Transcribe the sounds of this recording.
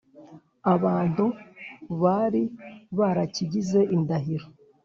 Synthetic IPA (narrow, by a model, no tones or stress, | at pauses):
aβaːn̥hu | βaɾiβaɾaciɟize̞ʔindaɦiɾo